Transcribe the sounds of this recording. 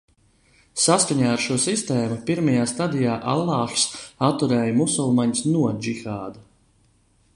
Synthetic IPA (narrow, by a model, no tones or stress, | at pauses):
saskaɲaːaɾʃuɔsist̪ɛːmupiɾmajaːst̪ad̪ijaːʔa̰lˠːɑːxsat̪ːuɾɛːjmusɔlˠmaɲsnuɔd͡ʒixaːd̪a